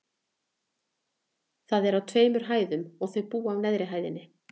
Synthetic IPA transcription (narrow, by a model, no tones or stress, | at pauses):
θaðɛɾawt̪ʰveːjmʏɾ̥ɦaːjðʏmɔɣθœɥɣpuːavnɛðɾɪɦaːjðɪnːɪ